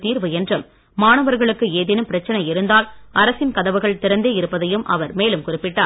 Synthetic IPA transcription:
t̪iːɾʋɯɛndrɯmː | aːɳɐʋɐɾɣɐɭɯkːɯeːðɪnɯmpɪɾɐt͡ʃːɐnɐjɪɾɯnd̪aːlʔɐɾɐsɪnkɐðɐʋɯɣɐɭt̪ɪɾɐnd̪eːɪɾɯpːɐðɐjɯmʔɐ̰ʋɐɾmeːlɯmkʊrɪpːɪʈːaː

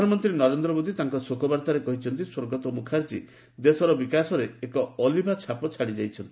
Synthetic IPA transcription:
panɔmɔnt̪ɾinɔɾend̪ɾɔmod̪it̪aŋkɔsokʰɔbaɾt̪aɾekɔɦit͡ʃʰɔnt̪iswoɾɡɔt̪ɔmukʰaɾt͡ʃḭ | d̪esɔɾɔbikasɔɾeːkɔːlibʱat͡ʃʰapɔt͡ʃʰaɽid͡ʒajt͡ʃʰɔnt̪ii

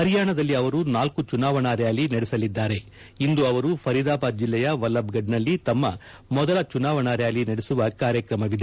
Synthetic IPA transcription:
ɦɐɾjaːɳɐd̪ɐlːiɐʋɐɾunaːlkut͡ʃunaːʋɐɳaːɾjaːlinɐɽɛsɐlid̪ːaːɾe̞ | ind̪uɐʋɐɾupʰɐɾid̪aːpaːt̪̚d͡ʒilːɛjɐʋɐlːɐbɡɐɖnɐlːit̪ɐmːɐ | mɔd̪ɐlɐt͡ʃunaːʋɐɳaːɾjaːlinɐɽesuʋɐkaːɾjɐkɾɐmɐʋid̪e

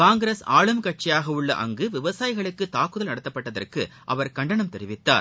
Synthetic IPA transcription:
kaːŋɡɪɾeːsaːɭɯmkɐʈ̚t͡ʃɪjaːɣɐʊɭːɐ̰ʔɐ̰ŋɡɯʋɪʋɐsaːjɪɣɐɭɯkːɯt̪aːkːɯðɐlnɐɽɐt̪ːɐpːɐʈːɐðɐ̰rkɯʔɐ̰ʋɐɾkɐɳɖɐɳɐmt̪ɛɾɪʋɪt̪ːa̰ːɾ

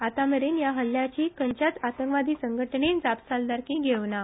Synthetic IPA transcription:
at̪aməɾenjaɦəlːjat͡ɕiːkəɲt͡ɕat͡sat̪əŋkʋad̪ʱiːsəŋɡʱəʈɳend͡zapsald̪aɾkiɡʱeʋna

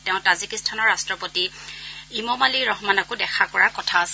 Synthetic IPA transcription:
tɛʊ̃tazikistʰanɔɹastɹɔpoti | imɔmaliɹɔɦmanakʊdɛkʰakɔɹakɔtʰaːs

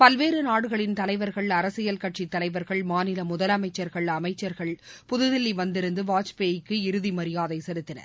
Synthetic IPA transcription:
pɐlʋeːɾɯnaːɽɯɣɐɭɪnt̪ɐlɐɪʋɐɾɣɐɭɐɾɐsɪjɐlkɐʈʂit̪ːɐlɐɪʋɐɾɣɐɭmaːnɪlɐmʊðɐlɐmɐɪt͡ʃːɐɾɣɐɭɐmɐɪt͡ʃːɐɾɣɐɭpʊðɯðɪlːiʋɐnd̪ɪɾɯnd̪ɯʋaːt͡ʃpeːjɪkːɯɪɾɯðimɐɾɪjaːðɐɪsɛlɯt̪ːɪnɐ̰ɾ

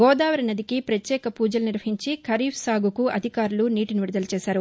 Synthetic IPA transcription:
ɡɔːd̪aːʋɐɾɐnɐd̪ikipɾɐt̪jɛːkɐpuːd͡ʒɐluniɾʋɐɦiɲt͡ʃikʰɐɾiːfʰsaːɡʱukuɐd̪ʱikaːɾuluniːʈiniʋiɾud̪ɐlɐt͡ʃɛːsaːɾu

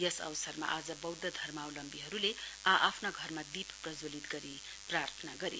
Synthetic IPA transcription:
jʌsʌ̰wsʌrma̰ʔad͡zʌbʌwd̪ʌd̪ʱʌrmawlʌmbiɦʌɾuleaʔapʰnaɡʱʌrmad̪ipʰprʌd͡zolit̪ɡʌɾi | prart̪ʰʌnaɡʌɾḭ

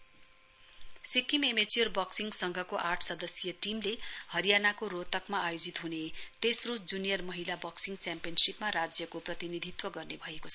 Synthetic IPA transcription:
sikimemet͡sjʌrbʌksiŋɡsʌŋɡʱʌkoʔarʈʰsʌd̪ʌsjʌʈimlehʌɾijanakoɾot̪ʌkmaːjod͡zit̪ɦunet̪esrud͡zunijʌrmʌɦilabʌksiŋɡt͡sampijʌnsipmaɾad͡zjʌkoprʌt̪inid̪ʱit̪wʌɡʌrnebʱʌekot͡sʰʌ

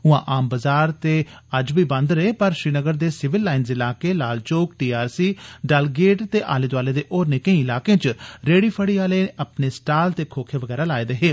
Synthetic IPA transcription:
ʊãːʔaːmbəzaːɾt̪eːəd͡ʒʋiːbənd̪ɾəeːpəɾʃɾiːnəɡəɾd̪eːsɪʋɪlːaːɪnzɪlaːkeːlaːlt͡ʃoːkʈiːaːɾsiːɖəlɡeːʈt̪eːʔa̰ːleːd̪ʋaːleːd̪eːʔoːɾnɪkẽĩːɪlaːkẽːt͡ʃɾeːɽiːpʰəɽiːaːleːəpneːsʈaːlt̪eːkʰoːkʰeːʋəɡɛːɾaːlaːeːd̪eɦeː

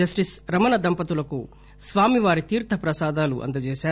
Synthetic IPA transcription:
ɐsʈisɾɐmɐnɐd̪ɐmpɐt̪ulɐku | sʋaːmiʋaːɾit̪iːɾt̪ʰɐpɾɐsaːd̪aːlṵʔɐ̰nd̪ɐd͡ʒɛːsaː

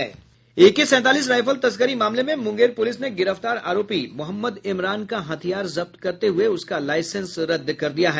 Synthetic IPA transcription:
ɛː | eːkisɛ̃ːt̪aːliːs̬ɾaːɪfʰəlt̪ɐskəɾimaːmlemẽmʊ̃ŋɡeːɾpʊlɪsneɡɪɾəft̪aːɾa̰ːɾoːpimʊɦəmːəd̪ɪmɾaːnkaɦɐt̪ʰijaːɾzɐb̚t̪kɐɾt̪eɦʊeʊskalaːɪsə̃nsɾɐd̪ːkɐɾd̪ijaɦɛː

